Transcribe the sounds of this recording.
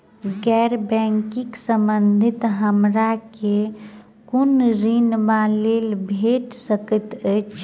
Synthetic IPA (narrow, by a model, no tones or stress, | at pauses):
ɡɛɾbɛ̃ŋkɪksəmbənd̪ʱɪt̪ɦəmɾake | kunɾinbaleːlbʱeʈsəkət̪ət͡ʃʰ